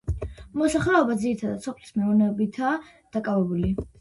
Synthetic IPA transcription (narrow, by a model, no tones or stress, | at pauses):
mɔsaχlɛɔbad̪ziɾit̪ʰad̪adt̪sɔpʰlismɛɔvnɛɔbit̪ʰaː | d̪̥akʼavɛbuli